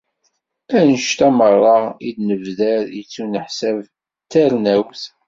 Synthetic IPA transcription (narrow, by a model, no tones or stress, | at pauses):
ænʃt̪æmərˤːɑʁid̪nəvðæɾjət͡sːunəħsæv | t̪æɾnæwθ